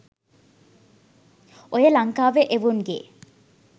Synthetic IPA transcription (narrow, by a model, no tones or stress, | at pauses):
ojəlɐŋkaːʋeʔeʋunɡe